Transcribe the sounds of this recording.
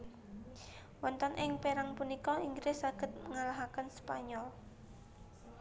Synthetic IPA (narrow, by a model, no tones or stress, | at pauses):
wɔnt̪ɔnʔɪŋpeɾaŋpunikɔiŋɡɾesaɡ̥ə̤t̪̚ŋalaɦakənspaɲɔl